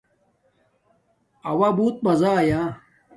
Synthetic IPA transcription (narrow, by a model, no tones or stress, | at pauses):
ɐwabuːt̪̚bɐzaːja